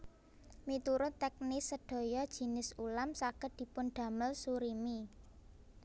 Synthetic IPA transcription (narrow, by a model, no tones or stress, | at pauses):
mit̪uɾʊtt̪ːɛk̚nisəɖ̥o̤jɔd̥ʒ̥i̤nɪsulamsakət̪̚d̥i̤pʊnɖ̪̥ä̤məlsuɾimi